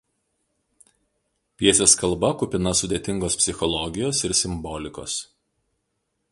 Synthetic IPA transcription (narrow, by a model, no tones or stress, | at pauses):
pʲiɛsʲeːskɐlˠˑbɐkʊpʲɪnɐsʊd̪ʲet̪ʲɪŋɡoːspʲsʲɪxɔlˠɔɡʲɪjoːsɪɾsʲɪmbɔːlʲɪko̰ːs